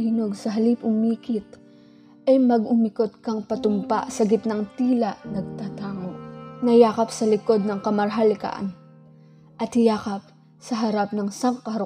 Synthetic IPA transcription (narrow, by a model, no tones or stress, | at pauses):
iːnoɡsɐɦɐlipʊmiːkɪt̪̚ | ʔɐjmɐɡʊmɪkot̪̚kɐŋpɐt̪ʊmpaʔsɐɡɪt̪naŋt̪iːlɐʔnɐɡ̚t̪aːt̪aːŋo̞ʔnɐjaːkɐpsɐlɪko̞d̪̚nɐŋkɐmɐɾɦalɪka̰ʔɐ̰n | ʔɐt̪̚hɪjaːkɐp̚ | sɐɦɐɾap̚nɐŋsɐŋkɐhɾ